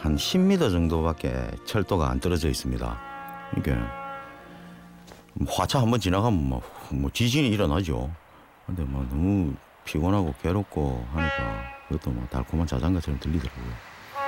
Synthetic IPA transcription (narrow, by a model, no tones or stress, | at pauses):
hanɕʰimːidad͡ʑʌŋdobak͈e̞̰t͡ɕʰʌɭt͈ʰoɡaa̰ntɯɾʌd͡ʑʌis͈ɯmɲida̰kɯnik͈ḛ | mʌhwat͡ɕʰaɦambʌnt͡ɕinaɡamma̰mʌt͡ɕiɕiniːɾʌnad͡ʑo̰ | kɯndemwanʌmu | pʰiɡonɦaɡoke̞ɾok̚kʰohaɲik͈a̰kɯɡʌt͈omwa̰ta̰ɭkʰomant͡ɕad͡ʑaŋɡat͡ɕʰɯɾɯmtɯʎːidʌɾaɡojo